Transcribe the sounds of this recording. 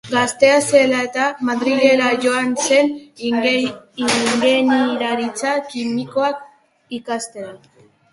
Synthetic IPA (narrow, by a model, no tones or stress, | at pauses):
ɡast̪e̞ase̞lae̞t̪amaðɾiɣe̞ɾaʝo̞anse̞n | iŋɡeniɾaɾit͡sakimiko̞ak | ikast̪e̞a